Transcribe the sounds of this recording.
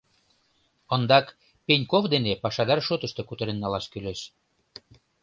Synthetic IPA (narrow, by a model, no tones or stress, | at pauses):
ənd̪ɑk | penʲkovd̪enepɑʃɑd̪ɑrʃot̪əʃt̪ekut̪əɾenːɑlɑʃkyleʃ